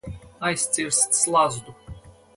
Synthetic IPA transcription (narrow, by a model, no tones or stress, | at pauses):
ajsʲt̪sʲiɾsːlˠazd̪u